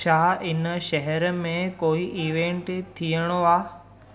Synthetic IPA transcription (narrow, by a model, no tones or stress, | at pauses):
aːɦɪnəʃɛɦɛɾəmẽkoːiʔiːʋẽɳʈt̪ʰiəɽ̃oaː